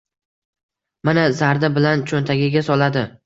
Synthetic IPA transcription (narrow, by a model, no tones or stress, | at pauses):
manazaɾd̪abɪlant͡ʃʰont̪ʰaɡʲɪɡʲasɒlad̪ɪ